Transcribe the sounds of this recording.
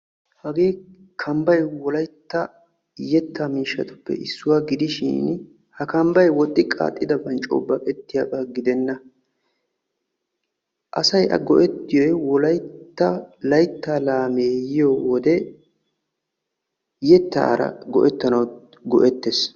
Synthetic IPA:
hɐɡe̞ː | kʰɐmbɐjwɔlɐjt̪ːɐ | jɛt̪ʰːamiːʃːɐt̪ʊ̥pːɛ̰ʔɪsːʊwaɡɪd̪ɪʃḭːn | hɐkɐmbɐjwɔt̪ʼːɪkʼa̰ːt̪ʼːɪd̪ɐbɐnt͡ʃʼo̰ːbːɐkʼɛt̪ːɪjabaɡɪd̪ɛnːɐ | ʔɐsɐjʔɐ̰ɡɔʔɛt̪ːɪjojwɔlɐjtt̪ːɐlɐjt̪ːaːlaːmeːjɪjoːwɔd̪ɛ | jɛt̪ːa̰ːɾɐ̰ɡɔʔɛt̪ːɐnɐw | ɡɔʔɛt̪ːes

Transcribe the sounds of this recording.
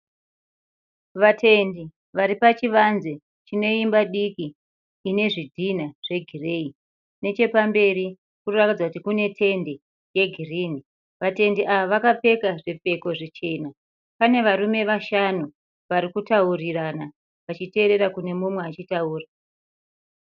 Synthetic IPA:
ʋatʰe̞ndi | ʋaɾipat͡ʃiʋanze | t͡ʃino̞imbaɗikiː | ne̞ʐidʱinaʐ̥e̞ɡʱire̞i | ne̞t͡ʃe̞pambe̞ɾi | kurakid͡zakutikune̞tʰe̞nde̞ | je̞ɡʱiriːni | ʋate̞ndiʔaʋaʋakape̞kaʐep͡fe̞ko̞ʐit͡ʃe̞ːna | pane̞ʋaɾume̞ʋaʃanu | ʋaɾikutaurirana | ʋat͡ʃite̞ːɾe̞ɾakune̞mumwe̞at͡ʃitauːra

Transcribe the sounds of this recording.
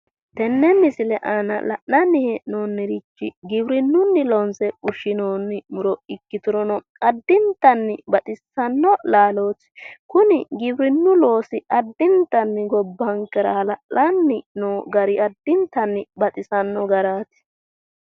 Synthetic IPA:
t̪ɛnːɛnːɪsɪlɛʔanɐ̰lɐ̰ʔnɐnːɪhɛnoːnːɪɾɪt͡ʃːɪɡɪbɾɪnːʊnːɪlɔnsɛʊʃɪnoːnːɪmʊɾɔɪkːɪt̪ʊɾɔnɔ | ɐd̪ːɪnt̪ɐnːɪbɐt̪ʼɪsːɐnːɔlaːlo̞ːtː | kʊnɪɡɪbɾɪnːʊlo̞ːsɪɐd̪ːɪnt̪ːɐnːɪɡɔbːɐŋkɛɾɐɐlɐʔlɐnːɪnoːɡɐɾɪɐd̪ːɪnt̪ːɐnːɪbɐt̪ʼɪsɐnːɔɡɐɾaːt̪ɪ̥

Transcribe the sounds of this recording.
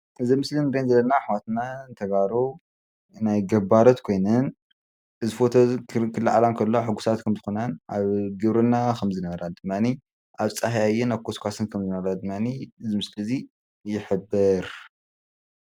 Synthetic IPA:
ʔɨzimɨslinɾenzɐlɐnaħawat̪nant̪ʰɐɡaɾo | najɡɐbaɾot̪kʰo̞jnɨn | ʔɨzifo̞t̪ʰokʰɨlːaʕalamkʰɐlːoħɨɡːusat̪kʰɐmzɨxonanʔaβɡɨβɾɨnːakʰɐmzɨnɐβɐɾad̪ɨmːani | ʔaβt͡sʼaɦjajːɛnaβkʰoskʷʰasɨnkʰɐmzɨnɐβɐɾad̪ɨmːaniɨzimɨslɨzi | jɪħɨbːɨɾ

